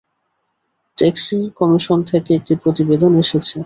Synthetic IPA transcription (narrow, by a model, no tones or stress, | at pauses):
ʈeksikɔmiʃont̪ʰekeek̚ʈipɾot̪ibed̪oneʃet͡ɕʰe